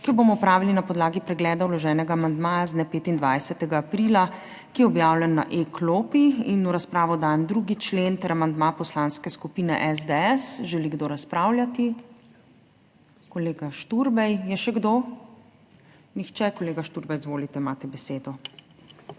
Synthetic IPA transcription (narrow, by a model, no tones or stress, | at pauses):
kijɔbomɔwpɾaːʋilinapɔd̪laːɡipɾɛɡlɛːd̪awlɔʒɛːnɛɡaːmand̪maːjazd̪nɛpeːt̪ind̪ʋajsɛt̪ɛɡaːpɾila | kijɛɔbjaːwlɛnːa̰ʔekloːpiinuɾaspɾaːʋɔd̪aːjɛmd̪ɾuɡit͡ʃlent̪ɛɾamand̪mapɔslanskɛskupiːnɛʔɛzd̪eɛsʒɛliɡd̪oːɾaspɾaːwljat̪i | kɔleːɡaʃt̪uɾbɛjjɛʃɛɡd̪oː | nixt͡ʃɛkɔleːɡaʃt̪uɾbɛjzʋoːlit̪ɛimaːt̪ɛbɛseːd̪ɔ